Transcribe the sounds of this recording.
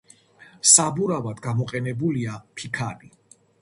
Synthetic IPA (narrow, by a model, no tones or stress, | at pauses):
sabuɾavad̪ɡamɔqʼɛnɛbuliapʰikʰaɾi